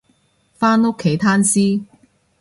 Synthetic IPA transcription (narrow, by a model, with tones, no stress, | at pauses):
faː˥no˥kʰːe˨˥jt̪ʰaː˥nsiː˥